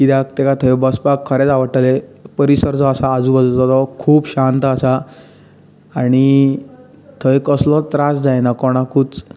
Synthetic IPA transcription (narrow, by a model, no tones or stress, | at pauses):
kit̪jakt̪ɛkat̪ʰəjbəspakʰːəɾɛt͡saʋəʈəlepəɾisəɾt͡sɔːsaːd͡zuːbəd͡zt̪ɔt̪ɔkʰuːpɕant̪əasa | aɽ̃i | t̪ʰəjkəslɔt̪ɾasd͡zajnakɔɽ̃akut͡s